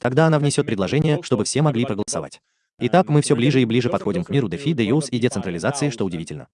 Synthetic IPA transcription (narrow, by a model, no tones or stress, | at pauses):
t̪ɐɡd̪aɐnavnʲɪsʲot̪pɾʲɪd̪ˠɐʐɛnʲɪjəʂt̪o̞bɨfsʲemɐɡlʲipɾəɡəlˠəsɐ̰va̰tʲ | ɪt̪akmɨfsʲoblʲiʐɨiblʲiʐɨpɐt̪xo̞dʲɪmkmʲiɾʊd̪ɛfʲid̪ɛjusidʲɪt̪sɨnt̪ɾəlʲɪzat̪sɨɪʂt̪o̞ʊdʲɪvʲitʲɪlʲnə̰